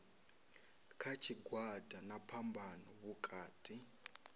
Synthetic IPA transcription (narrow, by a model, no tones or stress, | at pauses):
kʰat͡ʃʰiɡwadʱanapʰambʱanɔβukʼaːtʼi